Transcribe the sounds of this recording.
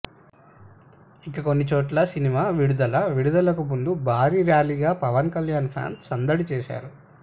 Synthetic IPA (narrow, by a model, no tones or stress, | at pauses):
ikːɐko̞nːit͡ʃoːʈlɐsinimaːʋiɽud̪ɐlɐʋiɽud̪ɐlɐkumund̪ubʱaːɾiːɾjaːliːɡaːpɐʋɐnkɐljaːnpʰja̰ːnsɐnd̪ɐɽit͡ʃeːʃa̰ːɾu